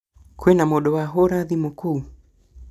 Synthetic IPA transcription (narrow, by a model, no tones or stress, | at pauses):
kwenamoɗɔwaɦoɾaðimokou